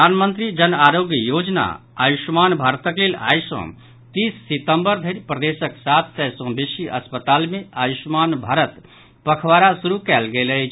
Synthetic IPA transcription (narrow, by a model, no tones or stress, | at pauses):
anmənt̪ɾid͡ʒənaɾoɡjəjod͡ʒna̰ | ajuʃmanbʱaɾt̪əklela̰jsə̰̃ | t̪isːit̪əmbəɾd̪ʱəɾipɾəd̪esəksat̪ʰːɛsə̃bisiʔə̰spət̪almeajusmanbʱaːɾət̪ | pəkʰwaɾasuɾukɛːlɡelət͡ʃʰ